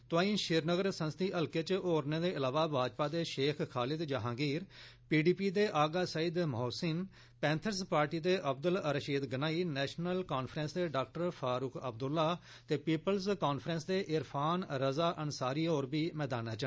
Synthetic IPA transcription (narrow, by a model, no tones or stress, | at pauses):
t̪ʊãːĩːʃɪɾnəɡəɾsə̃nst̪iːʔəlkeːt͡ʃoːɾneːd̪eːɪlaːʋaːbʱaːd͡ʒpaːd̪eːʃeːkʰxʰaːlɪd̪d͡ʒaɦãːɡiːɾpiːɖiːpiːd̪eːʔaːɡaːsaːiːd̪mɦoːsɪn | pɛ̃ːnt̪ʰəɾspaːɾʈiːd̪eːʔəbd̪ələɾəʃiːd̪ɡənaːiːnɛːʃnəlkaːnpʰɾɛ̃nsd̪eːɖaːk̚ʈəɾpʰaːɾʊkʰəb̚d̪ʊlːaː | t̪eːpiːpəlzkaːnpʰɾə̃nsd̪eːʔɪɾpʰaːnɾəzaːʔənsaːɾiːoːɾbiːmɛːd̪aːnaːt͡ʃə